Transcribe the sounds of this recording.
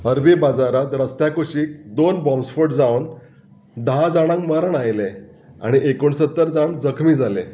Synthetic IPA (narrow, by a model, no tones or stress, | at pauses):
əɾbibad͡zaɾat̪ɾəst̪jakuɕiːk̚d̪onbɔmsfoʈd͡zawn | d̪əɦãd͡zaɽ̃ãŋkməɾəɳajle | a̰ɽ̃iʔekoɳsət̪ːəɾd͡zaɳd͡zəkʰmiːd͡zʱalẽ